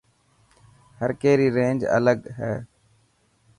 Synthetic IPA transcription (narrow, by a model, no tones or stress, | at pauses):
həɾkeːɾiːɾẽːnd͡ʒə̰ləɠɦɛː